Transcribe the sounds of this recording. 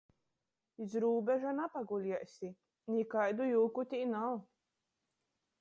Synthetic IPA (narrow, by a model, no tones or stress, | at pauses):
izɾuːbʲɛʒanapaɡulʲiɛsʲi | nʲikajd̪ujuːkut̪ʲinaw